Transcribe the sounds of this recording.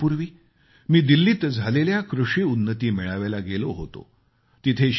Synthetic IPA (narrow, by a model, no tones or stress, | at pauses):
puɾʋiː | miːd̪ilːiːt̪d͡zʱaleljakɾuʂiunːət̪iːmeɭaʋelaɡeloɦo̰t̪o̰ | t̪it̪ʰeɕ